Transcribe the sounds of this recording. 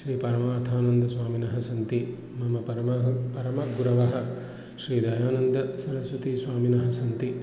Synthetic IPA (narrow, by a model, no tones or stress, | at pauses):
ʃɾiːpɐɾɐmaːɾt̪ʰaːnɐnd̪ɐsʋaːminɐɦɐsɐnt̪i | mɐmɐpɐɾɐmɐɦpɐɾɐmɐɡuɾɐʋɐɦɐ̆ | ʃɾiːd̪ɐjaːnɐnd̪ɐsɐɾɐsʋɐt̪iːsʋaːminɐɦɐsɐnt̪i